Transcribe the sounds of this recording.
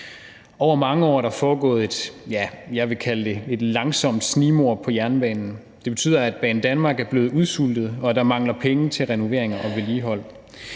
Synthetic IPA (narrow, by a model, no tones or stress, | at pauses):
ʔɒʊ̰ɐmɑ̈ŋəɒ̰ːɾɑ̈fɒːɡ̥ɔ̰̽ːð̞̩ˠe̝d̥jæjɑ̈ɪʋe̝kʰæləd̥e̝e̝d̥lɑ̈ŋsɒ̽m̰d̥sniːmo̝ɐ̰pʰɒ̽jæɐnb̥ɛ̰ːnn̩ | d̥e̝b̥e̝t͡sʰy̰ːð̰ˠɐæd̥̚b̥ɛ̰ːn̩d̥ænmɑ̈ːɡ̥æɐb̥le̝ːð̩ˠuð̞ˠsul̰d̥ð̞̩ˠɒ̽d̥ɑ̈mɑ̈ŋlɐpʰeŋət͡sʰe̝lʁɛno̝ʋe̝̰ɐ̰eŋɐʔɒ̽ʋeliːɦɒ̽l̰